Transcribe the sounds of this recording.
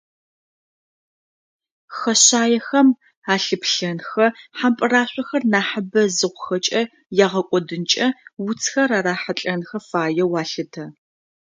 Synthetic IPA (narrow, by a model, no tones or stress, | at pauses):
xɐɕaːjɛxɐm | aːɬɨpɬɐnxɐħampʼɨraːɕʷʼɔxɐrnaːħəbɐzɨʁʷʊxɐt͡ʃʼɐ | jaːʁɐkʷʼɔdɨnt͡ʃʼɐwʊt͡sʰxɐɾaːraːħaɬʼɐnxɐfaːjɛwaːɬɨtʰɐ